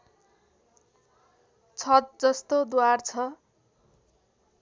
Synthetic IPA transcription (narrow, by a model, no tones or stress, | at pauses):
t͡sʰʌt̪̚d͡zʌst̪od̪wart͡sʰʌ